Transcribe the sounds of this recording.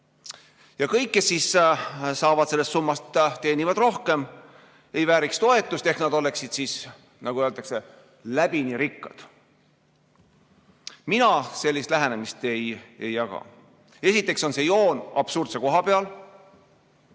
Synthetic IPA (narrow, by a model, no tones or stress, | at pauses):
jɑkɤjkːe̞sːissɑːvɑd̪̥se̞lːest̪sumːɑst̪t̪e̞ːnivɑd̪ro̞hke̞m | e̞jvæːɾikst̪o̞e̞t̪ːˑust̪e̞hknɑd̪̥o̞le̞ksid̪̥siːs | nɑɡuøːlt̪ɑkse̞ | læb̥iniɾikːɑd̪̥ | minɑse̞lʲːist̪læɦenemist̪e̞je̞jːɑkɑ̰ | e̞sit̪ːˑe̞kso̞nse̞jo̞ːnɑb̥surt̪se̞ko̞ɦɑpe̞ɑl